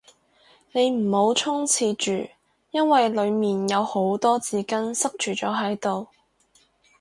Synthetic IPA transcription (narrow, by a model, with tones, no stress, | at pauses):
ne˨˧jm̩˨˩ho˨˥wt͡sʰʊ˥ŋt͡sʰiː˧t͡ʃyː˨˩ | jɐ˥nwɐ˨jlɵ˨˧ɥmiː˨njɐ˨˧who˨˥wt̪ɔː˥t͡siː˨˧kɐ˥nsɐ˥k̚t͡ʃyː˨˩t͡ʃɔː˨˥ɦɐ˨˥jt̪o˨w